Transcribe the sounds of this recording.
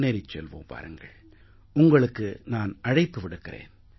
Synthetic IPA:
neːɾɪt͡ʃːɛlʋo̰ːmpa̰ːɾɯŋɡɐ̰ɭ | ʊŋɡɐɭɯkːɯnaːnʔɐɻɐɪpːɯʋɪɽɯkːɪrḛːn

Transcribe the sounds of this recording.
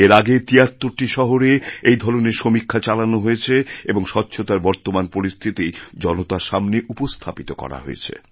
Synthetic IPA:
eɾaɡet̪iat̪ːoɾʈiʃɔɦoɾeejd̪ʱɔɾoneɾʃomikʰːat͡ɕalanoɦojet͡ɕʰeeboŋʃɔtːɕʰot̪aɾbɔɾt̪omanpoɾist̪ʰit̪id͡ʑɔnot̪aʃamneʔupost̪ʰapit̪okɔ̰ɾa̰ɦo̰jḛt͡ɕʰḛ

